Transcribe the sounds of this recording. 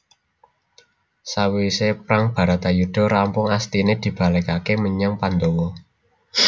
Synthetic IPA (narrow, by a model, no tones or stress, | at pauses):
sawisepɾaŋb̥a̤ɾat̪ajuɖ̥ɔ̤ɾampʊŋast̪ined̪̥i̤b̥a̤lɛkakeməɲaŋpand̪owɔ